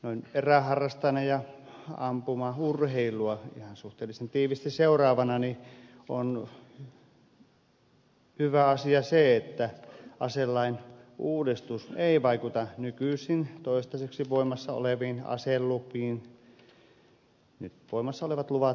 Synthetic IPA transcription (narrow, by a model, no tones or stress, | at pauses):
noineræhɑrːɑst̪ɑnɑjɑɑmpumɑurheilˑuɑḭhɑnsuht̪eːlisent̪iːʋist̪isseurɑːʋɑnɑni | on | hyʋæɑsiɑseet̪ːæʔɑselːɑinuːdist̪useˑiʋɑikut̪ɑnykysˑint̪oˑist̪ɑseksiʋoˑimɑsːɑo̰leʋiːnɑ̰selːupˑiːn | nyt̪ʋoˑimɑsːɑoleʋɑt̪luʋɑt̪